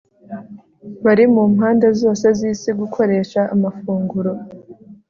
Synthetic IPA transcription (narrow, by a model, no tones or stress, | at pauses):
βaɾimumɦaːndezo̞ːse̞ziːsiɡukʰo̞ɾe̞ːʃaːmafuːŋɡuɾo̞